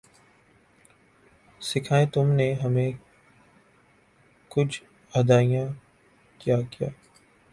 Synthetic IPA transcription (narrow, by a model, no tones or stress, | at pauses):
sɪkʰaːẽt̪ʊmneɦɐmẽ | kʊd͡ʒʰʱ | ɐd̪aːijã | kijaːkija̰ː